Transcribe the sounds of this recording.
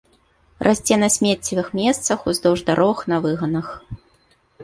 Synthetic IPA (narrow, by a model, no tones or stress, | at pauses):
rʔasʲt͡sʲɛnɐsʲmʲɛt͡sʲivɨxmʲɛst̪sɐxuzd̪ɔwʐd̪aɾʔɔvɨxnɐvɨɣɐnɐx